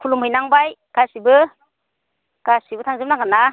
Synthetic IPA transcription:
kʰulumhɯjnaŋbajɡ̥asibɯ | ɡ̥asibɯtʰaŋzɯmnaŋana

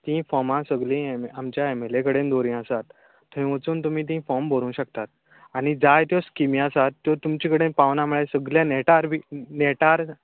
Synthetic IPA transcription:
t̪ĩfɔmãsəɡlĩemamt͡ɕjaemelekəɽend̪oɾĩəsat̪ː | oɦĩʋət͡suːnt̪̬um̤ĩːt̪̬ĩfɔmbəɾũːɕəkt̪at̪ | aɽ̃id͡zajt̪jɔskimĩəsat̪ːjɔt̪umt͡ɕikəɽenpaʋnamuɭesəɡljãneʈaɾbʱiːneʈaɾ

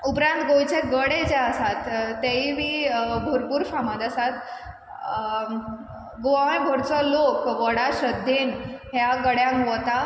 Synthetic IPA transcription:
upɾãnt̪ɡojt͡ɕeɡəɽed͡ʑɛəsat̪ːeiʋiːbʱoɾpuːɾɕamãd̪əsat̪ | ɡoaĩbʱoɾt͡sɔlokʋəɽaɕəd̪ʱːenɦjaɡəɽjãŋkʋət̪a

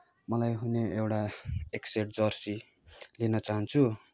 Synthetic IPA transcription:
mʌlajɦuneewʈaekseʈ̚d͡zʌrsi | linʌt͡saɦʌnt͡sʰu

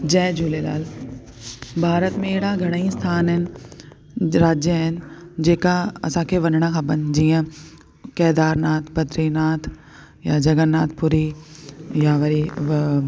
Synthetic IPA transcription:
d͡ʑɛːd͡ʒʱuːlela̰ːl | bʱaːɾət̪mẽeːɽaɡʱɐɽ̃ist̪ʰaːnɦɪnɪ̆ | ɾaːd͡ʒjəɦɪnɪ̆d͡ʑeːkaɐ̰sãkʰeʋɐnəɽ̃akʰãbɐnd͡ʑiːə̃ | kɛːd̪aːɾnaːt̪ʰpɐt̪ɾinaːt̪ʰ | jad͡ʒɐɡənːaːt̪̚ʰpʊɾi | jaʋɐɾi

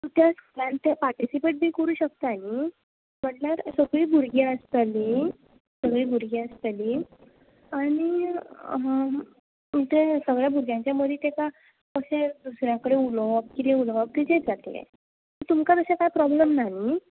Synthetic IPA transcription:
t̪ut̪ʰjaskʰulãnt̪japaɾʈisipeːʈ̚biːkəɾuːɕək̚t̪aaɦi | m̤əɳnaɾsəɡɭiːbʱuɾɡeəst̪ali | səɡɭiːbʱuɾɡeəst̪aliː | aɽ̃i | ɦã | ut̪ʰesəɡɭjabʱuɾɡjãɲt͡ɕjaməd̪ʱiːt̪eka | kəɕed̪usɾjãkəɽeuləb̚kit̪eulək̚t̪id͡ʑed͡zat̪ḛlḛ | t̪əɾt̪umkat̪əɕakajpɾɔbləmnaɦi

